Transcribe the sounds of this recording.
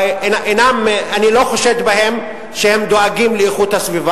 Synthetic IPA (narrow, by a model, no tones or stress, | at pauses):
naʔenamanilo̞χoʃet̪bahe̞m | ʃehemd̪oaɡimleeχut̪hasviva